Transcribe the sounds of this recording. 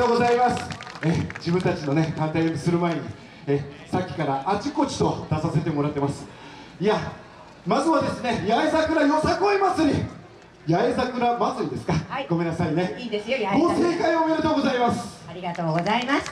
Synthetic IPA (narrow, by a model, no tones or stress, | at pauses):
oːɡo̞zaimasɨ̥ed͡ʑibɯ̟̃nt̪at͡ɕino̞ne̞k̪ãnt̪ajomʲisɨɾɯ̟mae̞ɲ̟i | esakʲːi̥kaɾaʔːt͡ɕiko̞t͡ɕi̥t̪o̞d̪̥asase̞t̪e̞mo̞ɾat̪ːe̞masɨ̥ | ia | mazɨβad̪e̞sɨne̞jaezakɯ̟ɾajosakoimat͡sɨɾʲi | jaezakɯ̟ɾamat͡sɨɾid̪e̞sɨ̥kaɡ̥o̞me̞nːasaine̞eɡoːse̞ːkaio̞mʲeɾɯ̟t̪o̞ːɡo̞zaimasɨ̥ɾʲiat̪oːɡozaimas